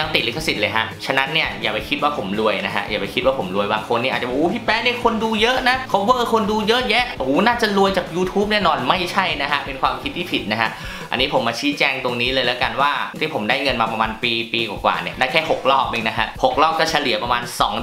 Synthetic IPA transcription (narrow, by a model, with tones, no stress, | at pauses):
a˧t̪i˨˩liː˨˧˥kʰa˥˩si˨˩lɤː˧jkʰa˦˥t͡ɕʰa˧na˦˥nːi˥˩ɐjaː˨˩pa˧jkʰi˦˥waː˥˩pʰo˩˦mlu˧əjna˦˥kʰa̰˦˥ʔjaː˨˩pa˧jkʰi˦˥waː˥˩pʰo˩˦mlu˧əjbaː˧ŋkʰo˧niː˥˩ʔaː˨˩t͡ɕa˨˩˨ʔoː˦˩pʰiː˥˩pɛː˦˥ni˥˩əkʰo˧nduː˧jɤ˦˥ʔna˦˥kʰa˦˥wwɤː˥˧˩kʰo˧nduː˧jɤ˦˥ʔjɛ˦˥ʔhuː˨˦naː˥˩t͡ɕa˨˩lu˧əjt͡ɕaː˨˩k̚juː˧t̪ʰuː˦˥p̚nɛː˥˩nɔː˧nma˥˩jt͡ɕʰa˥˩jna˦˥kʰa˦˥pe˧nkʰwaː˧mkʰi˦t̪ʰːiː˥˩pʰi˨˩na˦˥kʰa˦˥ʔ | ʔa̰˧niː˦˥pʰo˩˦maː˧t͡ɕʰiː˦˥t͡ɕɛː˧ŋt̪o˧ŋniː˦˥lɤː˧jlɛː˦˥wka˧nwaː˥˩t̪ʰiː˥˩pʰo˩˦mdaː˥˩jŋɤ˧nmaː˧pa˧maː˧npiː˧piː˧kwaː˨˩kwa̰ː˨˩nḭ˦˥˩ɐdaː˥˩kʰɛː˥˩ho˨˩k̚lɔː˥˩k̚ʔeː˧ŋna˦˥kʰa̰˦˥ʔho˨˩k̚lɔː˥˩k̚ːɔː˥˩t͡ɕʰa˧li˨˩˦ɐpɾa˧maː˧nsɔ̰ː˩˦ŋ